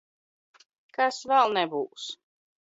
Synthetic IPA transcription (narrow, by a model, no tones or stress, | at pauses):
kasvɛlˠnɛbuːs